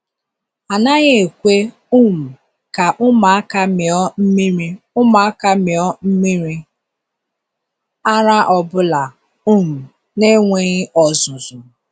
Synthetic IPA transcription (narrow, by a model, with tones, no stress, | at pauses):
a˨na˦ɣe˦e˨kʷe˦ | u˦˨m̩˨ | ka˨ʔʊ˦ma˨a˦ka˦mɪ˨ɔ˦m̩˦mi˦ɾi˦ | ʊ˦ma˨a˦ka˦mɪ˨ɔ˦m̩˦mi˦ɾi˦ | a˦ɾa˦ʔɔ˨bʊ˦la˨ | u˦˨m̩˨ | ne˦ŋʷe˦ɣɪ˦ɔ˨zʊ˨zʊ˨